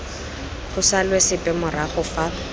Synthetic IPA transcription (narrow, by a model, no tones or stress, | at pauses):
χʊsalwesɪpʼɛmʊraχʊfa